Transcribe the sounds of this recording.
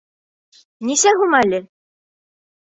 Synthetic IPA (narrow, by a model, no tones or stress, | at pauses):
nisæɦumælɘ